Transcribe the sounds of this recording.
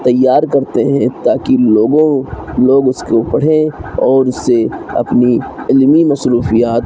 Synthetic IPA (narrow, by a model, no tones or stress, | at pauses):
t̪ɐjːaːɾkɐɾt̪eɦɛ̃t̪aːkiloːɡõloːɡʊskepɐɽ̤ẽɔːɾʊseɐ̰pniɪlmimɐsɾuːfijaːt̪